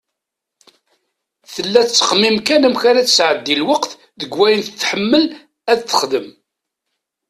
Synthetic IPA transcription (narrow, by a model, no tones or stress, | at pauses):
θəlːæt͡sːə̥qmimkænæmçaɾæt͡sːəsʕəd̪ːilwɑqθ | ðəɡwæjənθət͡sːħəmːəl | æðθə̥χðəm